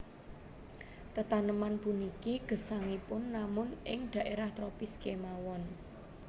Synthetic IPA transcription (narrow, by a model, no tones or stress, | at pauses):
t̪ət̪anəmanpunikiɡ̥ə̤saŋipʊnːamʊnʔɪŋd̪̥a̤ʔeɾaht̪ɾopiskemawɔn